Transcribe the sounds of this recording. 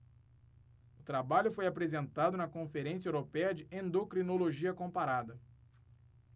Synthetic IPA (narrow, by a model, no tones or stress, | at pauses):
ʊt̪ɾabaʎʊfojapɾezẽnt̪ad̪ʊnɐkõfeɾẽsiɐewɾopɛjɐd͡ʒɪẽnd̪okɾinoloʒiɐkõpaɾad̪ɐ